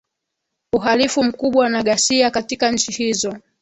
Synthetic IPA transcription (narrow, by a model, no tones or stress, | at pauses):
uɦalifum̩kuɓwanaɠasiakatikaɲ̩t͡ʃihizɔ